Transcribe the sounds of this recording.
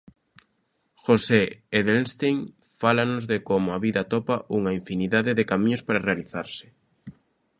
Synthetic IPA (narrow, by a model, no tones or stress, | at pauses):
xoseeðelst̪eŋ | falanozðekomʊaβiðat̪opaʔuŋaiɱfiniðaðeðekamĩɲospaɾarealiθaɾsɪ̥